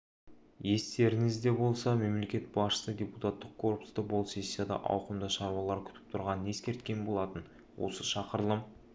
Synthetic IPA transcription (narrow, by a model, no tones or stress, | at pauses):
je̞st̪e̞ɾɪŋɪzd̪e̞bo̞lˠsɑme̞mle̞kʲe̞t̪̚bɑsʃə̥sədʲe̞put̪at̪ːəq̚kʰo̞rpu̥st̪əbolˠse̞sʲːijad̪ɑ̰ʔɑ̰wqəmd̪əʃɑɾwɑlˠɑɾkʲʰʏ̥t̪ɪ̥p̚t̪ʰʊɾʁɑnəne̞skʲe̞ɾt̪kʲe̞nbo̞lˠɑt̪ən | wo̞̰səʃɑqəɾlˠəm